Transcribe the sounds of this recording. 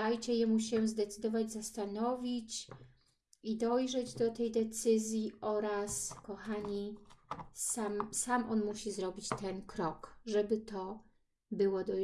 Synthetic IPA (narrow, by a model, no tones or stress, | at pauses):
ajt͡ɕɛjɛmuɕ̬ɛzd̪ɛt̪sɘd̪ɔvad͡ʑzast̪anɔvʲit͡ɕ | id̪ɔjʐɛd͡ʑd̪ɔt̪ɛjd̪ɛt̪sɘzʲjiɔɾaskɔxaɲi | samsamʔɔnmuɕizɾɔbʲit͡ɕt̪ɛnkɾɔkʐɛbɘt̪ɔ | bɘwɔd̪ɔ